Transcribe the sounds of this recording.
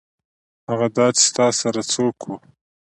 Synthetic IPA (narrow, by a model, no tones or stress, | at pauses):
haɣad̪ɑt͡ʃɪ̥st̪ɑsaɾat͡sokʰwu